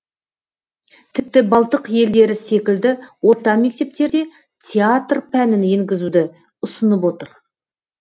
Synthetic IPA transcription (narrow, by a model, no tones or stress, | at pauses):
t̪ʰɪp̚t̪ɪbɑlˠt̪əqje̞ld̪e̞ɾɪse̞kʲɪld̪ɪwo̞ɾt̪ɑme̞k̚t̪e̞p̚t̪e̞ɾd̪e̞ | t̪ʲʰeat̪rpʰænɪnjeŋɡʲɪzud̪ɪ | ʊsənəpwo̞t̪əɾ